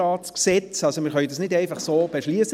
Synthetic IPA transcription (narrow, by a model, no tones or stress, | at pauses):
ɑːtsksɛt͡sɑlsomɪːχœʏdɑsnɪdɛɪfɑχsoːb̥eʃliːəs